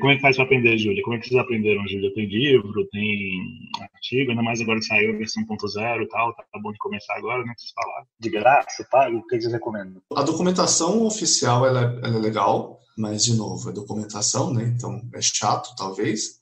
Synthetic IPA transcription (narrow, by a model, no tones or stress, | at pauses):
kõmʊɛkɪfajspɾapɾẽnd̪eʒuljɐkõmʊɛkɪ̥sezapɾẽnd̪eɾɐ̃w̃ʒulʲjɐt̪ẽj̃livɾʊt̪ẽj̃a̰ɾt͡ʃiɡʊnɐ̃majzaɡɔɾɐsaiwveɾsɐ̃w̃põnt̪ʊzɛɾʊt̪awt̪aabõd͡ʒɪkõmesaɾaɡɔɾɐk̪ɛ̃kɪse̥sfala̰ɾd͡ʒɪɡɾasɐt̪aʊkeksehekomẽnd̪ʊɐd̪okumẽnt̪asɐ̃w̃ofisiawɛlɐɛɛ̰lɐɛleɡaw | mɐzd͡ʒɪnovʊɛd̪okumẽnt̪asɐ̃w̃nɛẽnt̪ɐ̃w̃ɛ̰ʃat̪ʊ̥t̪awves